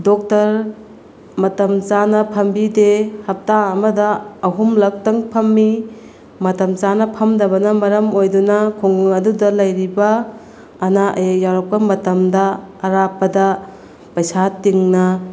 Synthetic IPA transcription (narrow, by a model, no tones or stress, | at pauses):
dɔk̚tɐɾ | mɐtɐmt͡ʃanɐpʰɐmbidehɐp̚taɐmɐdɐːɦumlɐk̚tɐŋpʰɐmːi | mɐtɐmt͡ʃanɐpʰɐmdɐβɐnɐmɐɾɐmojdunɐkʰoŋɡuŋɐdudɐlɐjɾibɐː | naʔɐ̰jajaɾɐk̚pɐmɐtɐmdɐːɾapɐdɐ | pɐjsatiŋnɐ